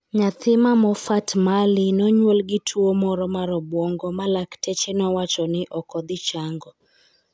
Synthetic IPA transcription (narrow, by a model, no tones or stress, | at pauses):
ɲat̪ʰɪmamɔfatmalɪnɔɲwolɡɪtʰwomɔɾɔmaɾɔbwɔŋɡɔmalaktʰɛt͡ʃenɔwat͡ʃɔnɪʔɔkɔd̪ɪt͡ʃaŋɡɔ